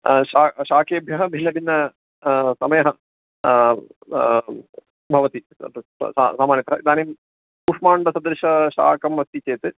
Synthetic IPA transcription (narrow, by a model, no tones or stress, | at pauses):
ʃaːʂaːkeːbʱjɐɦɐbʱilɐbinːɐ | sɐmɐjɐɦɐ | bʱɐʋɐt̪ḭ | sa̰saːmaːnjɐt̪ɐɐ̰id̪aːnejum | uːʂmaːɳɖɐsɐd̪ɾɨʂɐʂa̰ːkɐmʋɐst̪it͡ɕeːt̪ɨ